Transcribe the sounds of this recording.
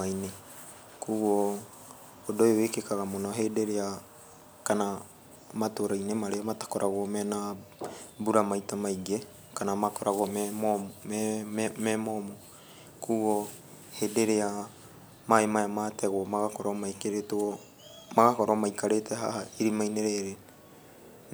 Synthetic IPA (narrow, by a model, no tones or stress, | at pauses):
aine | kuɣoː | doewekekaɣamonaɦedeɾea | kana | matoɾajnemaɾeomatḁkoɾʔaɣwomena | buɾamajtamaiɡe | kanamakoɾʔaɣommo | memomo | kuo | hedeɾea | maemajamateɣwomaɣakoɾomaekeɾetuo | maɣakoɾomajkaɾeteɦa̰ɦaiɾimajneɾeɾe